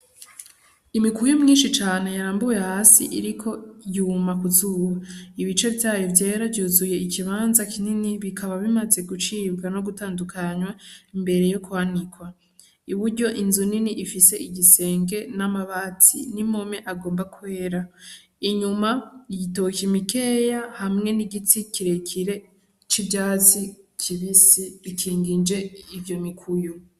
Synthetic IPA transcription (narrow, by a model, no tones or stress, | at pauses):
imikuujomɲiːnʃit͡ʃaːne̞jaɾaːmbuje̞haːsḭʔḭɾikʰo̞juːmakuzuːβaiβit͡ʃe̞vjaːjovjeːɾavɟuːzuje̞ikiβaːnzakʰininiβikʰaβaβimaze̞ɡut͡ʃiːβɡano̞ɡutaːndukʰaɲwaimbe̞ɾe̞jo̞kuhanikwa | iβuɾɟo̞ʔinzuniniʔifise̞ʔiɟise̞ːŋɡe̞namaβat͡sḭnimo̞me̞ʔaɡo̞ːmbakwe̞ːɾa | iɲumaiɟito̞kimike̞ːjahamŋe̞niɡit͡sikiɾe̞kʰiɾe̞ | t͡ʃibjaːt͡sicʰiβisiɾikʰiːŋɡind͡ʒe̞ivjo̞mikʰujo